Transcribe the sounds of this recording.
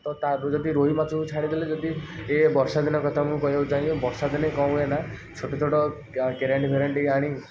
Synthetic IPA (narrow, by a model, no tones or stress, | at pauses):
t̪ɔt̪aɾd͡ʒɔd̪iɾoɦimat̪ʰuut͡ʃʰaɽ̃id̪iled͡ʒɔd̪iebɔɾsad̪inɔkɔt̪ʰamũkɔɦjet͡ʃaj̃bɔɾsad̪inekɔw̃enat͡ʃʰoʈɔt͡ʃʰoʈɔ | keɾeɳʈbʱeɾeɳʈeaɽ̃ĩ